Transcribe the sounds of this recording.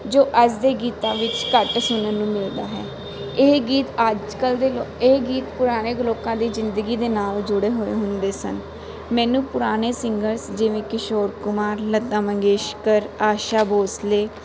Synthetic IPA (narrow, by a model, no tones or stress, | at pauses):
d͡ʒoːʔəd͡ʒd̪eːɡiːt̪ãːʋɪt͡ʃkəʈsʊnənũːmɪld̪aːɦɛ̰ː | eɡiːt̪əd͡ʒkəld̪eeɡiːt̪pʊɾaːɽ̃eːɡloːkãːd̪iːzɪnd̪əɡiːd̪eːnaːld͡ʒʊɽeːɦoːḛːɦʊ̃nd̪eːsə̰n | mɛ̃ːnũːpʊɾaːñeːsɪŋɡəɾsd͡ʒɪʋẽːkɪʃoːɾkʊmaːɾlət̪ːãːmə̃ŋɡeːʃkəɾaːʃaːboːsleː